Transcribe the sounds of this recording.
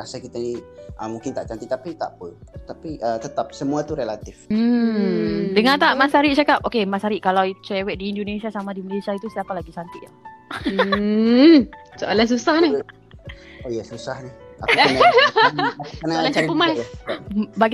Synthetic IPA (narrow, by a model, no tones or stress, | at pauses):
asakit̪aniʔəmũŋkɪnt̪aʔt͡ʃant̪it̪apit̪a̰pət̪apiʔət̪ət̪ap̚səmuat̪uɾəlat̪ifm̩ | dəŋãnt̪aʔmãsaɾiʔ̚t͡ʃakap̚ʔokemasaɾiʔkalawit͡ʃɛwɛʔ̪̚diːndonesiasamãdiməlesiait̪usiapalaɡisant̪ɪʔja | soʔalans̬usahni | əjasusahniha̰na | anaaaaɾipəmasabaɡ